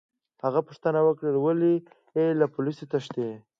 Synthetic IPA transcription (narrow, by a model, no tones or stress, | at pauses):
haɣapəʂt̪ənawəkɽəlwali | elapʊliset̪aʃt̪e